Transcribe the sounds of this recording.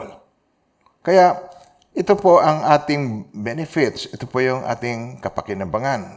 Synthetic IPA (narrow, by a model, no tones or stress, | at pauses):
l | kɐjaʔ | ʔɪt̪opoʔɐŋʔaːt̪ɪŋbɛnɛfɪt̪sɪt̪opojʊŋʔa̰ːt̪ɪŋkɐpɐkɪnɐbaŋan